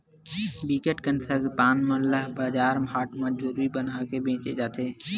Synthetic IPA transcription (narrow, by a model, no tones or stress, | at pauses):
biːkeʈkənsəɡpaːnmənləɦbaːd͡ʒaːɾmɦaːʈmə̃d͡ʒuːɾibənakebʱẽːt͡ʃed͡ʒaːt̪eː